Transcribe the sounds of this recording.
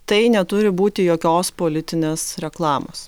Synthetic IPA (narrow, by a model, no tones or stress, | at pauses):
t̪ɐɪnʲɛt̪ʊɾʲɪbuːt̪ʲɪjoːkʲoːspoːlʲɪt̪ʲɪnʲeːsɾʲɛklˠɑːmo̰ːs